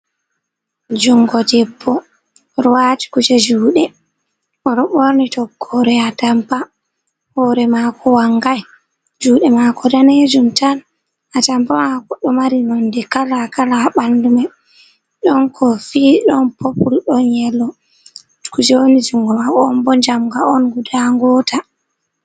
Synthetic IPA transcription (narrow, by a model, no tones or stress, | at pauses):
d͡ʒuŋɡɔdɛbːɔ | ɾuwati̥kud͡ʒɛd͡ʒuːɗɛ | ɔɾɔɓoɾnitɔkʰːɔɾɛatampa | hɔɾɛmakɔwaŋɡaj | d͡ʒuːɗɛmakɔdaned͡ʒumtan | atampamakɔɗɔmaɾinɔndɛkalakalaɓanduma | ɗɔnkʰɔfiːɗɔnpʰopulɗɔnjɛlːɔ | kud͡ʒɛwonid͡ʒuŋɡɔwakɔmbɔd͡ʒamɡaɔnɡudaŋɡɔta